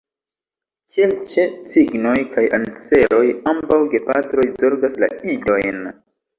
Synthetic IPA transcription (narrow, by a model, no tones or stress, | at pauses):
t͡ʃelt͡ʃe̞t͡siɡno̞jkʰajant͡se̞lo̞jambawɡe̞patɾo̞jzo̞ɾɡasla̰ido̞jn